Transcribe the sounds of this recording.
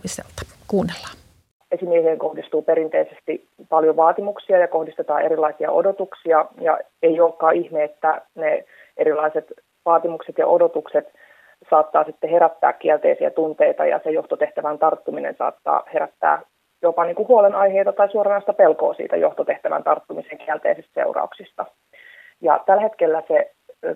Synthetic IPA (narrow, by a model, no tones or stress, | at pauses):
isḛlt̪ɑ̥ | kuːnːelːɑ | esimiɛheːŋkohdist̪uːpeɾint̪eisest̪i | pɑljoʋɑːt̪imuksiɑjɑkohdist̪et̪ɑ̰ːeɾilːˑɑisiɑ̰ʔo̰dot̪uksiɑjɑ̰eiolkːɑːʔihmeːt̪ːæne | ʔeɾilːˑɑiset̪ | ʋɑːt̪imukset̪jɑ̰ʔo̰dot̪ukset̪ | sɑːt̪ːɑːsit̪ːeheɾæt̪ːæ̰ːkkːiælt̪ḛisiæ̰t̪unt̪eit̪ɑ̰jɑ̰sejoht̪ot̪eht̪æʋænt̪ɑrt̪ːuminḛnsɑ̰ːt̪ːɑ̰ːheɾæt̪ːæ̰ː | jopɑniːŋkuhuolenɑjheit̪ɑt̪ɑisuoɾɑnɑist̪ɑpelkoːsḭːt̪æ̰jo̰ht̪ot̪e̞ht̪æʋæ̰nt̪ɑrt̪ːumiseŋkiælt̪ḛisest̪sḛurɑ̰uksist̪ɑ | jɑ̰t̪ælhet̪kelːæse